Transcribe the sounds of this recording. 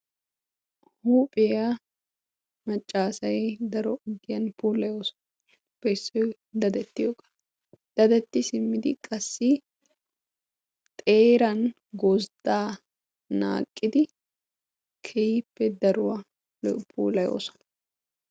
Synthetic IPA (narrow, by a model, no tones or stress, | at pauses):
huːpʼɪjɐ | mɐt͡ʃʼːaːsɐjɛd̪ɐɾɔʊɡːɪjɐnpuːlɐjo̞ːsɔ̥n | bɛɪsːɔj | d̪ɐd̪ɛt̪ːɪjoːkʼɐ̥ | d̪̥ɐd̪ɛt̪ːɪsɪmːɪd̪ɪ̰kʼɐsːɪ | t̪ʼe̞ːɾɐn | ɡosd̪aː | na̰ːkʼːɪd̪ɪ | kʰɛjɪpːɛd̪ɐɾʊwɐ | pʰṵːlɐjo̰ːsɔ̥nɐ